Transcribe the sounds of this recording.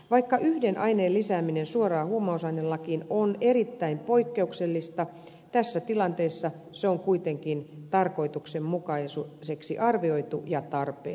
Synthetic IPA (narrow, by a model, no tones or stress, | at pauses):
ʋɑikːɑʔyhdenʔɑineːlːisæːminensuorɑːhuomɑosɑinelːɑkinonerit̪ːæimpo̞ikːeukselːist̪ɑ | t̪æsːæt̪ilɑnt̪eisːɑ | seoŋkuit̪eŋkint̪ɑrko̞it̪uksemmukɑisuseksḭʔɑrʋio̞it̪ujɑt̪ɑrpḛː